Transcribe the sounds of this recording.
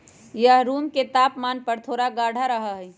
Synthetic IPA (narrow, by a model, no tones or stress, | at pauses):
jəɦɾuːmket̪aːpmaːnpəɾt̪ʰoːɽaɡaːɽʱaɾəɦəɦ